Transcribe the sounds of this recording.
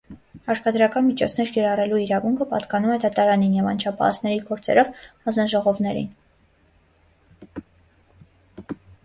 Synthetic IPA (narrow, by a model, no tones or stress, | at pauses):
ɑɾkɑd̪ɾɑkɑnmit͡ʃʰɔt͡sʰnɛɾkɛɾɑrɛluiɾɑvuŋkʰəpɑ̰t̪kɑnumɛd̪ɑt̪ɑɾɑninjɛvɑnt͡ʃʰɑpʰɑ̰ɑ̰t͡sʰnɛɾiɡɔɾt͡sɛ̰ɾɔvhɑnznɑʒɔʁɔvnɛɾḭn